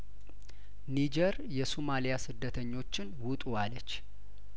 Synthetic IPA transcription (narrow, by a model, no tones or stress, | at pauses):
nid͡ʒɛɾjɛsumalijasɨd̪ːət̪ʰəɲːo̞t͡ʃːɪnwʊt̪ʼualət͡ʃː